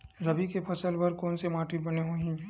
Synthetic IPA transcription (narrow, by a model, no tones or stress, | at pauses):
ɾɐbʱikepʰɐsəlbɐɾkɔːnsemaːʈʰibɐneɦoːɦĩ